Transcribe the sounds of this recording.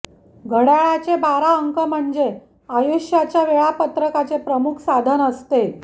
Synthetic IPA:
ɡʱəɽjaɭat͡ɕebaɾaəŋkəm̤əɳd͡ze | ajuɕjat͡ɕjaʋeɭapət̪ɾəkat͡sepɾəmukʰsad̪ʱənəst̪e

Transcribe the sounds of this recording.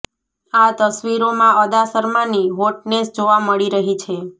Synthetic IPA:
at̪əsʋiɾomãəd̪asəɾmaniʋoʈnesd͡ʒoʋaməɭiɾəɦit͡ʃʰe

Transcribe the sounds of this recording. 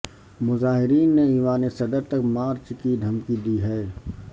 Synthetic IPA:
mʊzaːɦɪɾiːnːeiːʋaːnesɐd̪əɾt̪ɐkmaːɾt͡ʃkid̪ʱɐmkid̪iɦɛː

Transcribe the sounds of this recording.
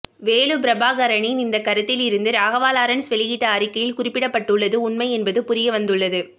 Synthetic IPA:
ʋeːɭɯpɪɾɐbaːɣɐɾɐɳinɪnd̪ɐkːɐɾɐt̪ːɪlɪɾɯnd̪ɯɾaːɣɐʋaːlaːɾɐnsʋɛlɪɣiʈːɐaːɾɪkːɐjɪlkʊrɪpːɪɽɐpːɐʈːɯɭːɐðɯʊɳmɐɪɛnbɐðɯpʊɾɪjɐʋɐnd̪ɯɭːɐðɯ

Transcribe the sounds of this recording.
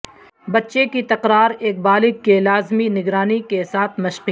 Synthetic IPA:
bɐtːʃekit̪ɐqɾaːɾeːk̚baːlɪɡ̚kelaːzminɪɡɾaːnikesaːt̪ʰmɐʃq

